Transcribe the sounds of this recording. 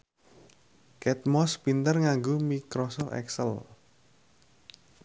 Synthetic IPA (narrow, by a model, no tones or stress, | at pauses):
kɛt̪̚mɔspint̪ərŋaŋɡomikɾɔsɔft̪ɛ̰ksəl